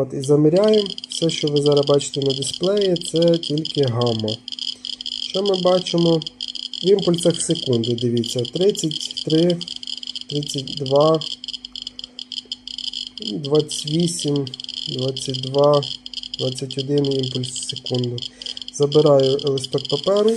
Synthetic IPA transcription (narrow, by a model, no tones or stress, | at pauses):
ɔt̪izɐmɾʲajemwsɛʃt͡ʃɔʋɪzɑɾɐbɑt͡ʃɪ̥t̪enɐd̪ʲɪsplˠɛjit̪sɛtʲilʲkɪɦɑmɔ | ʃt͡ʃɔmɪbɑt͡ʃɪmɔʋimpʊlʲsɐxsekund̪ɪd̪ɪʋʲit͡sʲːɐt̪ɾɪt͡sʲːɐtʲt̪ɾɪ | t̪ɾɪt͡sʲːɐt̚ʲd̪ʋɑ | d̪ʋɑt͡sʲʋʲisʲimd̪ʋɑt͡sʲːɐt̚ʲd̪ʋɑd̪ʋɑt͡sʲːɐtʲɔd̪ɪnɪjimpʊlʲssekund̪ʊz̥ɐbɪɾɑjʊʔelˠɪspɛkpɐpɛɾʊ